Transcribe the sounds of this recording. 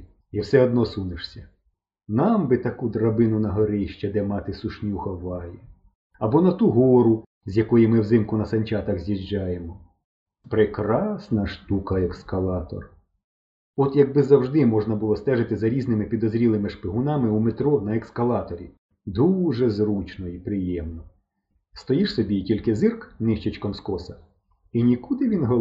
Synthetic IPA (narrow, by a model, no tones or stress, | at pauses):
iwsɛɔd̪nɔsunɪʂsʲɐ | nɑmbɪt̪ɐkud̪rɐbɪnʊnɐɦɐɾɪjʃt͡ʃɛd̪ɛmɑt̪ɪsʊʃnʲuxɐʋɑji | ɐbɔnɐt̪uɦɔɾʊ | zʲjɐkɔjimɪwzɪmkʊnɐsɐnʲt͡ʃɑt̪ɐɣzʲjiʒd͡ʒːɑjemɔ | pɾɪkɾɑsnɐʃt̪ukɐekskɐlˠɑt̪ɔ̰r | ɔt̪jɐɡ̚bɪzɐwʒd̪ɪmɔʐnɐbʊlˠɔst̪ɛʒɪt̪ɪzɐɾʲiznɪmɪpʲid̪ɔzɾʲilˠɪmɪʂpɪɦʊnɑmɪumet̪ɾɔnɐekskɐlˠɑt̪ɔɾʲḭ | d̪uʒɛzɾut͡ʃnɔipɾɪjɛmnɔ | st̪ɔjiʂsɔbʲitʲilʲkɪzɪrknɪʃt͡ʃit͡ʃkɔmskɔsɐ | inʲikud̪ɪʋʲinɦɔ